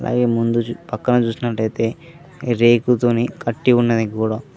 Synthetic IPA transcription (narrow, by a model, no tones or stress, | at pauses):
ɐlʔa̰ːɡe̞ːmund̪upɐkːɐnɐt͡ʃuːsinɐʈːɐjt̪e̞ː | ɾeːkut̪oːnikʰɐʈːiunːɐd̪ikuːɽaː